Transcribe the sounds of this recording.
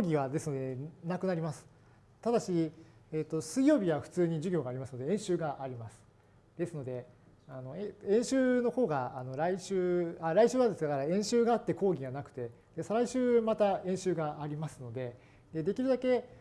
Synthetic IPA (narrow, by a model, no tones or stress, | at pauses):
koːɡʲiβad̪e̞sɨno̞d̪e̞nakɯ̟naɾʲimasɨ̥ | t̪ad̪aɕieːt̪ːo̞sɨijo̞ːbʲiβaɸɯ̟̥t͡sɨːɲ̟iʑɨɡʲo̞ːɡaːɾʲimasɨno̞d̪eẽ̞ɰ̃ɕɨːɡaʔaɾʲimasɨ̥ | d̪̥e̞sɨno̞d̪e̞ | ano̞eẽ̞ɰ̃ɕɨːno̞ho̞ːɡaːno̞ɾaiɕɨːaɾaiɕɨːβad̪e̞sɨakaɾaẽ̞ɰ̃ɕɨːɡaːt̪ːe̞ko̞ːɡʲiɡanakɯ̟̥t̪e̞ | d̪̥e̞soɾaiɕɨːmat̪aẽ̞ɰ̃ɕɨːɡaːɾʲimasɨno̞d̪e̞ | d̪e̞d̪e̞kʲiɾɯd̪ake̞